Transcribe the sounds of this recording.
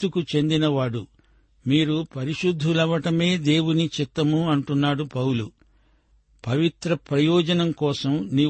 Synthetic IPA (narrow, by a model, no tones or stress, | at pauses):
ukut͡ʃe̞nd̪inɐʋaːɽu | miːɾupɐɾiʃud̪ʱːulɐʋɐʈɐme̞ːd̪e̞ːwunit͡ʃit̪ːɐmuɐɳʈunːaːɽupɐwlu | pɐʋit̪ɾɐpɾɐjɔːd͡ʒɐnɐmkɔːsɐmni